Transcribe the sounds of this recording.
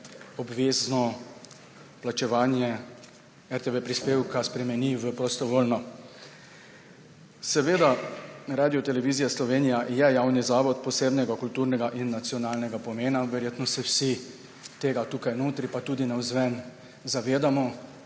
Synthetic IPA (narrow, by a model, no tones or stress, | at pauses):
ɔbʋeːznɔ | plat͡ʃɛʋaːnjɛ | ɛɾt̪eʋepɾispeːwkaspɾɛmɛniʋəpɾɔst̪ɔʋoːlnɔ | sɛʋeːd̪aɾaːd̪iɔt̪ɛlɛʋizijaslɔʋeːnijajɛjaːwnizaːʋɔt̪pɔseːbnɛɡakult̪uːɾnɛɡaʔinːat̪sijɔnaːlnɛɡapɔmeːnaʋɛɾjeːt̪nɔsɛwsi | t̪eːɡat̪uːkajnoːt̪ɾipat̪uːd̪inawzʋɛn | zaʋeːd̪amɔ